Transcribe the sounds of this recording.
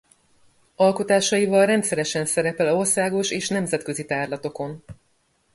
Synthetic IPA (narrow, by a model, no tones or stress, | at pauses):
ɒlko̞t̪aːʃɒjivɒlrɛnt̪sɛɾɛʃɛnsɛɾɛpɛlo̞rsaːɡo̞ʃeːʃnɛmzɛt̪kø̞zit̪aːrlɒt̪o̞ko̞n